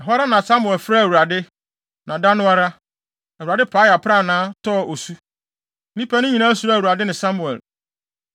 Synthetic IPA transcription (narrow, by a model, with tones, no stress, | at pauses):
ɛ˨ɦɔ˦a˦ɾa˦nã˨sa˦mʊ˨ɛ˨lfɾa˦˨wu˨ɾa˨dɪ˦ | nã˨da˦nʊ̃˦a˦ɾa˦ | ɛ˨a˨dɪ˦pʰaː˨˦ja˨pʰɾa˦˨nãː˨˦tʰɔː˦˨o˨su˦ | nĩ˦pʰa˦nʊ̃˦ɲĩ˨nãː˦su˨ɾa˦˨u˨ɾa˨dɪ˦nɪ̃˨sa˦mu˨ɛ̰˨l